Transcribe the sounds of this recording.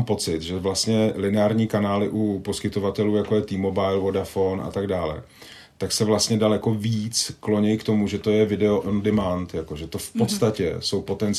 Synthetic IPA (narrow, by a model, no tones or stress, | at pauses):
mpo̞t͡sɪt̪ʒɛvlast̪ɲɛlɪnɛaːɾɲiːkanaːlɪʔupo̞skɪt̪o̞vat̪ɛluːjakojɛt̪iːmobajlvo̞dafo̞nʔa̰t̪aɡdaːlɛ̰ | t̪aksɛvlast̪ɲɛdalɛko̞viːt͡sklo̞ɲɛjkt̪o̞muʒɛt̪o̞jɛvɪdɛoʔondɪmant̪jako̞ʒɛt̪o̞fpo̞t̪st̪acɛ̰so̞wpo̞t̪ɛn